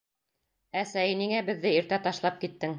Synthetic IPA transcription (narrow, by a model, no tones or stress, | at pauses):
æsæjɘniŋæbɘ̆ðːɘiɾt̪æt̪ɑʃlˠɑp̚kit̪ːɘŋ